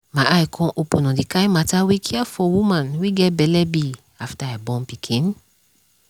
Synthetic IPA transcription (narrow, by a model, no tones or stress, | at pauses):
mãʔajkʰɔ̃ʔopũnãdikãĩmatawekʰiafɔwũmãnweɡɛtbɛlɛbi | aftaabɔ̃npikʰĩn